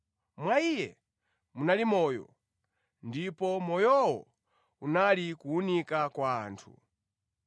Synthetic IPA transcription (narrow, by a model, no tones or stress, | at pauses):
mwaijɛ | munalimɔːjɔ̰ | ndipɔmɔjɔwɔ̰ | unalikuːnikakwa̰ːntʰu